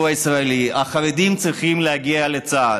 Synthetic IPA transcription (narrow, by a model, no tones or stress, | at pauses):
aisʁaeliaχaʁed̪imt͡sʁiχimlehaɡialet͡sa